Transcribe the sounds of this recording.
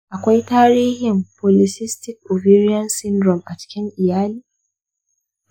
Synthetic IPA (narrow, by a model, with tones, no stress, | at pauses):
ʔa˨kʷa˦jtaː˦ɾiː˦hɪ˨mpɔ˨lɪ˨sɪ˦stɪ˦kʔo˨viː˦ɾi˦ɐ˦nsɪ˦ndɾɔ˨mʔa˨t͡ʃɪ̥˦kʲɪ˦ŋʔɪ˨jaː˦liː˦